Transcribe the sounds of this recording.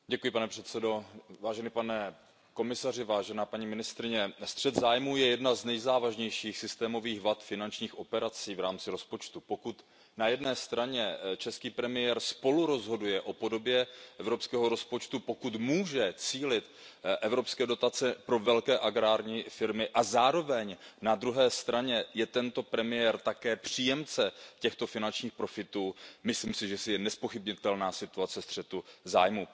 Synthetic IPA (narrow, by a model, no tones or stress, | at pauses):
ɟɛkujɪpanɛpr̥ɛt̪sɛdo̞vaːʒɛnipanɛ | ko̞mɪsar̝ɪvaːʒɛnaːpaɲimɪnɪst̪ɾɪɲɛst̪r̥ɛd̪zaːjmuːjɛjɛdnaznɛjzaːvaʒɲɛjʃiːxsɪst̪ɛːmo̞viːxvat̪fɪnant͡ʃɲiːxʔo̞pɛɾat͡siːvɾaːmt͡sɪɾo̞spo̞t͡ʃt̪upo̞kut̪ | najɛdnɛːst̪ɾaɲɛt͡ʃɛskiːpɾɛmɪjɛɾspo̞luɾo̞zɦo̞dujɛʔo̞po̞do̞bjɛʔɛvɾo̞pskɛːɦo̞ɾo̞spo̞t͡ʃt̪upo̞kut̪muːʒɛt͡siːlɪt̪ʔɛvɾo̞pskɛːdo̞t̪at͡sɛpɾo̞vɛlkɛːʔaɡɾaːɾɲiːfɪɾmɪʔazaːɾo̞vɛɲnad̪ɾuɦɛːst̪ɾʔaɲɛjɛt̪ɛnt̪o̞pɾɛmɪjɛɾt̪akɛːpr̝̥iːjɛmt͡sɛcɛxt̪o̞fɪnant͡ʃɲiːxpɾo̞fɪt̪uːmɪsliːmsɪʒɛsɪjɛnɛspo̞xɪbɲɪt̪ɛlnaːsɪt̪uat͡sɛst̪r̥ɛt̪uza̰ːjmu